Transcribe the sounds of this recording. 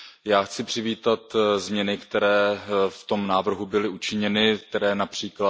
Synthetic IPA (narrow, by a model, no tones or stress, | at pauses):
jaːxt͡sɪpr̝̥ɪviːt̪at̪zmɲɛnɪkt̪ɛɾɛːft̪o̞mnaːvr̩ɦubɪlɪʔut͡ʃɪɲɛnɪk̚t̪ɛɾɛːnapr̝̥iːkla